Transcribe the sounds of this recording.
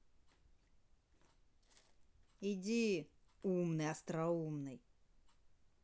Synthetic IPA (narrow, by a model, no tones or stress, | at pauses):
idʲi | umnɨjɐst̪ɾɐumnɨj